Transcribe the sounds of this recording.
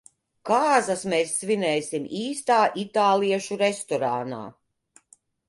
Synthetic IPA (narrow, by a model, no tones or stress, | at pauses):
kaːzɐsmɛːsːvinɛːsimiːst̪aːʔit̪aːlˠiɛʃuɾɛst̪ɔɾana̰ː